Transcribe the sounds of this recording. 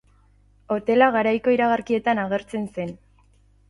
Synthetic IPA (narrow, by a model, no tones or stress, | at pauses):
o̞t̪e̞laɣaɾajko̞iɾaɣ̞aɾkie̞t̪anaɣ̞e̞ɾt͡se̞nse̞n